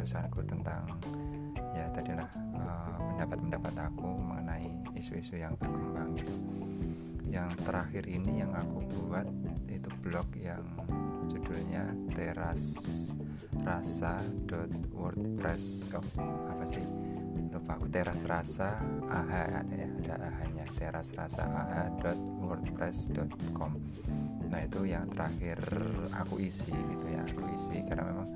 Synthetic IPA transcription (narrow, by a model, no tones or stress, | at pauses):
ɾusaanakut̪ənt̪a̰ŋ | jat̪adilah | əpəndapat̪̚məndapat̪akuməŋənai | isuisujaŋbərkəmbaŋ | jaŋt̪əɾaxɪɾinijaŋakubuat̪̚it̪ub̥lɔkjaŋ | d͡ʒudulɲat̪eɾas | rasadɔt̪̚wɔrt̪̚pɾɛs | ɔapasɪh | lupaakut̪eɾasrasaʔːɦaa̰dajaːda̰ʔaɦaɲat̪eɾasra̰sa̰ʔaɦadɔt̪̚wɔrt̪̚pɾɛsdɔt̪kɔm | nait̪ujaŋt̪əɾʔahɪra̰kuʔisiɡit̪uja̰ːkuisḭkarna̰memaŋ